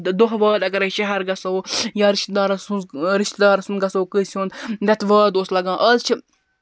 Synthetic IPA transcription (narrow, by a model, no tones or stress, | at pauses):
d̪oɦʋaːd̪ɐɡɐɾɐʃɐɦɐɾɡɐsɐwjaːɾiʃt̪̚d̪aːɾɐsuɾiʃt̪d̪aːɾɐsunɡɐsɐwkəːsʲʰuːnd̪d̪ɐt̪ʋaːd̪oːslɐɡãːʔɐlt͡ʃʰi